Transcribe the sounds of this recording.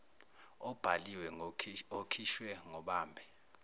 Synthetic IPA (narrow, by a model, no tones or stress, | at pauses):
ɔb̥ʱaliwɛokʰiʃwɛŋɔɓaːmbʱɛ